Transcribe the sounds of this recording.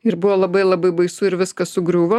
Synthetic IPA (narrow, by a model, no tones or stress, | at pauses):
ɪɾbʊʋoːlˠɐbɐɪlˠɐbɐɪbɐɪsʊɪɾʋʲɪskɐsʊɡɾʲuːʋɐ